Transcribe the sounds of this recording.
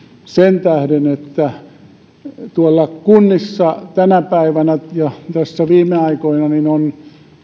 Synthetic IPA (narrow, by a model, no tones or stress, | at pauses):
sent̪æhdenet̪ːæ | t̪uɑlːɑkunːisːɑt̪ænæpæiʋænæjɑt̪æsːæʋiːmˑeɑikoinɑninon